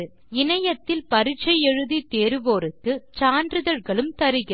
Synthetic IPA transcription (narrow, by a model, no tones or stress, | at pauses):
ɯ | ɪnɐjɐt̪ːɪlpɐɾɪt͡ʃːɐɪjɛɻɯðit̪eːɾɯʋoːɾɯkːɯt͡ʃaːndrɯðɐɾɣɐɭɯmt̪ɐɾɯɣɪ